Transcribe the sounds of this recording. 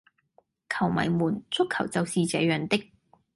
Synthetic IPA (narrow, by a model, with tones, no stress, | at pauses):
kʰɐ˨˩wmɐ̰˨˩jmuː˨˩nt͡sʰʊ˥kʰːɐ˨˩wt͡sɐ˨wsiː˨t͡sɛ̰ː˨˥jœː˨˩ŋt̪ɪ˥k̚